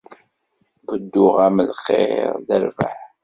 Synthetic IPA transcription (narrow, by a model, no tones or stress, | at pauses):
bəd̪ːʊʁæməlχḛɾðəɾvə̰ħ